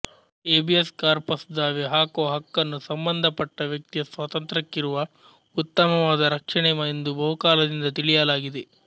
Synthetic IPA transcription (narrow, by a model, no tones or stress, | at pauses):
eːbieskaːɾpɐsd̪aːʋeɦaːkoːɦɐkːɐnːusɐmbɐnd̪ʱɐpɐʈːɐʋjɐk̚t̪ijɐsʋɐt̪ɐnt̪ɾɐkːiɾuʋɐ | ut̪ːɐmɐʋaːd̪ɐɾɐkʂɐɳɛmɐend̪ubɐɦukaːlɐd̪ind̪ɐt̪iɭijɐlaːɡid̪e